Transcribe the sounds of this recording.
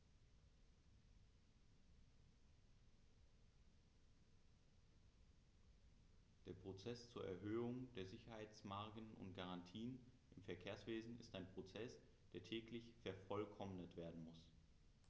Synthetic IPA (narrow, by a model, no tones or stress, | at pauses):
d̥eːɐpʁ̥ot͡sɛst͡suːɐʔɛ̰ɐɦøːʊŋd̥eːɐzɪçɐhaɪt͡smaɐɡənʊ̰ntɡ̥aʁantʰiːən | ʔɪmfɛɐkʰeːɐsv̥eːzn̩ɪstaɪnpʁ̥ot͡sɛs | d̥eːɐtʰɛːklɪçfɛɐfɔlkʰɔmnətv̥eːɐdn̩mʊs